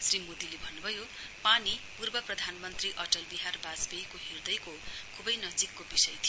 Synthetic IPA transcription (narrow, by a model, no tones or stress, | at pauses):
srimod̪ilebʱʌnːubʱʌjo | panipurbʌprʌd̪ʱanmʌnt̪riʔʌʈʌlbiɦarbad͡zbejkoɦird̪ʌjkokʰubʌjnʌd͡zikːobisʌjt̪ʰijo